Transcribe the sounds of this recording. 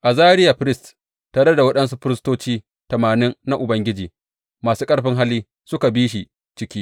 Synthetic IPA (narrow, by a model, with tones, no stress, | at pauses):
ʔa˨zaː˦ɾɪ˦ja˨ɸɪ˦ɾɪ˦st | taː˨ɽe˦da˨wɐ˦ɗɐ˦nsu˦ɸɪ˦ɾɪ˦stoː˦t͡ʃiː˦ | tɐ˨maː˨nɪ˦nːa˦ʔʊ˨bɐ˦ŋɡʲɪ˦d͡ʒiː˨ | maː˨suː˦kʼɐ˦ɽɸɪ˦ŋɦa˦lːiː˦ | sʊ˦ka˨biː˦ʃ̬i˨ | t͡ʃɪ˦kʲiː˦